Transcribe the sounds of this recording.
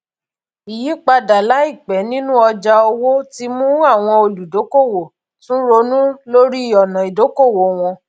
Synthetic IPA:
i˨ji˨˦k͡pa˧da˨la˨˦i˦˨k͡pɛ˨˦nĩ˦nũ˦ɔ˧d͡ʒa˧o˧wo˦ti˦mũ˦a˦˨w̃ɔ̃˧o˧lu˨do˨˦ko˦˨wo˨ | tũ˦ɾo˧˦nũ˦lo˦ɾi˦i˦˨ɔ˨nã˨i˨do˨˦ko˦˨wo˨˦w̃ɔ̃˧

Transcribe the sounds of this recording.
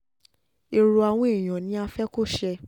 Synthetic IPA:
e˨ɾo˧a˧w̃ɔ̃˦i˦˨j̃ɔ̃˨nĩ˨˦a˧fɛ˦ko˦˨ʃɛ˧

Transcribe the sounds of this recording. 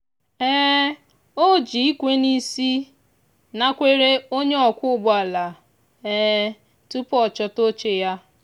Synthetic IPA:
ɛː˦ | o˦d͡ʒi˨i˦kʷe˦ni˦si˦ | na˦kʷe˦ɾe˦o˦ɲe˦ɔ˨kʷʊ˦ɡ͡bɔ˨˦a˨la˨ | ɛː˦ | tu˦pɔ˨t͡ʃɔ˦to˦t͡ʃe˨ja˦

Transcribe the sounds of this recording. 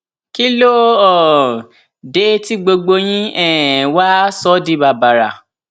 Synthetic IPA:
ki˦lo˦ɔ˨ | de˨˦ti˦ɡ͡bo˧ɡ͡bo˧j̃ĩ˦ɛ˨wa˦sɔ˦di˨˦ba˨ba˨ɾa˨

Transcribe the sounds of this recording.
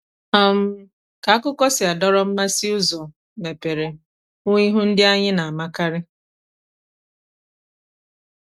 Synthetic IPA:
a˨m̩˦ | ka˨a˦kʊ˦kɔ˦sɪ˨a˨dɔ˦ɾɔ˦m̩˦ma˦si˦ʊ˦zɔ˨ | ne˨pe˨ɾe˨ | ʊ˦i˦ɦu˦n̩˦dɪ˦a˦ɲɪ˦na˨a˨ma˦ka˦ɾɪ˦

